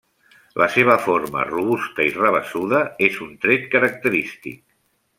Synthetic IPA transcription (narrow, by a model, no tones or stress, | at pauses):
lʔəseβ̞əfoɾmə̰ruβust̪əirəβəsuðəezunt̪ɾet̪̚kəɾək̚t̪əɾist̪ḭk̚